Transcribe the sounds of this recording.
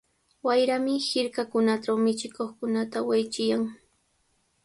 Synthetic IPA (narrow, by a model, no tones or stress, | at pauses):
wajɾamɪhɪɾkakʊnaʈ͡ʂawmɪt͡ʃɪkoχkʊnat̪awajt͡ʃɪjaŋ